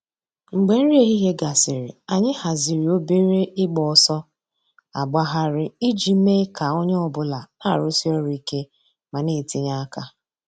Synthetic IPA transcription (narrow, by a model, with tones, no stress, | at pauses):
ŋ͡m̩˨ɡ͡be˨n̩˦ɾi˦e˦ɦi˦ɦe˦ɡa˨sɪ˨ɾɪ̰˨a˨ɲɪ˦ha˨zɪ˨ɾi˨o˦be˦ɾe˦ʔɪ˦ɡ͡bɔ˨sɔ˦ | a̰˨ɡ͡ba˦ɦa˦ɾɪ˦i˦d͡ʒi˨˦me˦ka˨o˦ɲe˦ɔ˨bʊ˦la˨a˦˨ɾʊ˦si˦ɔ˦ɾi˨ke˦ | ma˨ne˦˨ti˦ɲa˦a˦ka˦